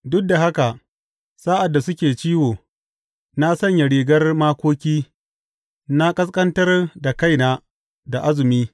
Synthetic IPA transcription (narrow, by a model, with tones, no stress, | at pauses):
dʊ˦k̚da˨ɦa˦ka˨ʔ | saː˦ʔa˨dːa˨sʊ˦kʲeː˨t͡ʃiː˦woː˨ | na˦sɐ˦˨ɲja˨ɽiː˨ɡɐ˦rmaː˦kʷoː˦kʲiː˦ | na˦kʼɐ˦s̬kʼɐ˦ntɐ˦rda˨ka˦jnaː˦ | da˨ʔa˦zɪ˨miː˦